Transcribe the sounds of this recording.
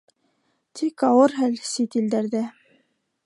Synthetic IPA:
t̪ʰikɑwɤɾɦælsit̪ild̪æɾðæ

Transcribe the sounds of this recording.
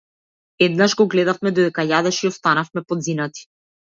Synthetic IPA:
ɛd̪naʒɡɔɡlɛd̪afmɛd̪od̪ɛkajad̪ɛʃiɔst̪anafmɛpɔd̪zinat̪i̥

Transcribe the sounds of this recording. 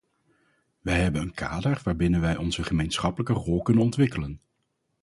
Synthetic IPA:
ʋɛjɦɛbənənkʰa̰ːdəɹʋaːɹbɪnənʋɛjʔɔnzəχəmejnsχɑpələkərɔlˠkɵnənɔntʋɪkələn

